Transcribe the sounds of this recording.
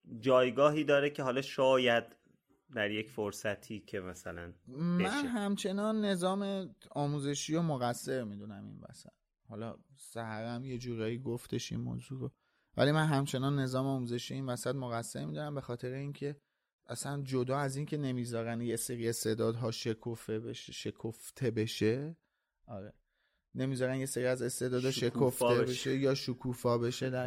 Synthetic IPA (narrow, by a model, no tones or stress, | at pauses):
d͡ʒɒːjɡɒːɦiːd̪ɒːɾecʰeɦɒlɒːʃɒːjæd̪̚ | d̪æɾje̞cfoɾsæt̪ʰiːcʰemæsælæ̰nmeænɦæmt͡ʃʰe̞nɒːnːe̞zɒːme̞ɒːmuːze̞ʃiːomoɣæsːe̞ɾmiːd̪unæmḭnvæ̰sæ̰t̪̚ | hɒlɒ̰sæhæɣæmje̞d͡ʒuːɾɒːjiɡoft̪e̞ʃḭnmo̰ːzuːɾo | væ̰limænɦæmt͡ʃʰe̞nɒnːe̞zɒːmeɔmuze̞ʃijeinvæsæt̪moɣæsːe̞ɾmiːd̪unæmbe̞xɒːt̪ʰe̞ɾeincʰe̞ | ʔæsænd͡ʒod̪ɒːæziːnkʰe̞ne̞miːzɒːɾænje̞se̞ɾie̞st̪e̞d̪ɒːd̪ɦɒːʃekʰofebeʃʃe̞kʰoft̪ʰe̞be̞ʃe | ʔɒːɾe̞ | ne̞miːzɒːɾænd̪je̞se̞ɾiæze̞st̪e̞d̪ɒːd̪hɒːʃe̞kʰoft̪ebeʃejɒːʃukʰuːfɒːbe̞ʃed̪æɾ